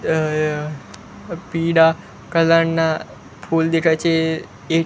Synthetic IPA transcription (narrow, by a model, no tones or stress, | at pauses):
piːɽa | kəlaɳna | pʰuld̪ekʰat͡ʃʰe | e